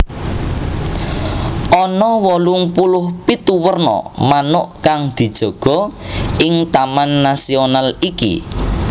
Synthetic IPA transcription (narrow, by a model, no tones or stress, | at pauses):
ʔɔnɔwɔluŋpulʊhpit̪uwərnɔ̰manʊʔkaŋd̪̥i̤d̥ʒ̥ɔ̤ɡ̥ɔ̤ɪŋt̪amanːasionalikḭ